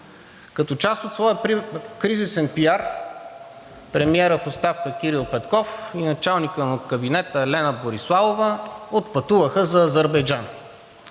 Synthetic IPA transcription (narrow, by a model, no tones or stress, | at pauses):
kɐt̪ɔt͡ʃast̪ot̪svɔjəkɾizisɛnpiaɾ | pɾɛmiɛɾəfost̪afkək̟ʲiɾilˠpɛt̪kɔfinɐt͡ʃalˠnikənot̪kɐbinɛt̪əlɛnəboɾislˠavovəot̪pɐt̪uvəxəzɐːzəɾbɐjd͡ʒan